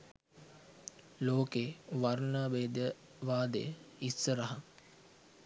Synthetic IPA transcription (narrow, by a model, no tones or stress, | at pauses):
loːkeːʋaɾnaːʋeːd̪jə | ʋaːd̪ḛjəisːəɾəɦa